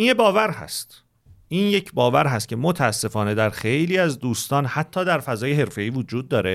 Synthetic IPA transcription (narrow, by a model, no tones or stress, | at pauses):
ʔinjebɒːvæɾhæ̰st̪ | ʔiːnje̞cʰbɒːvæɾɦæst̪̚cʰe̞mot̪ʰææsːe̞fɒːne̞d̪æɾxejliːæzd̪uːst̪ɒːnhæt̪ʰːɒːd̪æɾfæzɒːjeɦe̞ɾfe̞iːvod͡ʒuːd̪ːɒːɾe